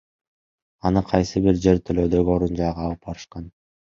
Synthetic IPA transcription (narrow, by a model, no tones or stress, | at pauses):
ɑnɯqʰɑjsɯbiɾd͡ʒe̞ɾt̪ʰølø̞ːd̪ø̞ɡio̞ɾund͡ʒɑjʁɑːlˠɯpbɑɾɯʃqɑn